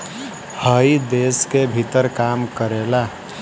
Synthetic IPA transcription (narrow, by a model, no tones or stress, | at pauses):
həid̪eskebʱit̪əɾkamkəɾela